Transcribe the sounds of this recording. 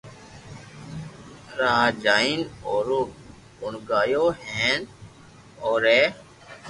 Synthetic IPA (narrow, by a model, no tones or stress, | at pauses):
ɾaːd͡ʒaːiːnoːɾoː | bʊɳɡaːjoːhẽːn | oːɾeː